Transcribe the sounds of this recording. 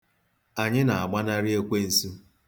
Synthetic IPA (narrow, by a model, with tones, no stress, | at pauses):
a˨ɲɪ˦na˨a˨ɡ͡ba˦na˦ɾɪ˦e˦kʷe˦n̩˦˨su˦